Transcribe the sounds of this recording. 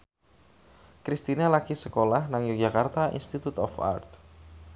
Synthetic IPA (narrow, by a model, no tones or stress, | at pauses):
kɾist̪inalakisəkolahnaŋjuk̚d͡ʒakart̪aʔḭnst̪it̪ut̪ɔ̰fa̰rt̪